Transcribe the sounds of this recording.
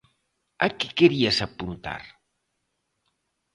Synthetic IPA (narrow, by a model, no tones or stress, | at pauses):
akekeɾiasapunt̪a̰ɾ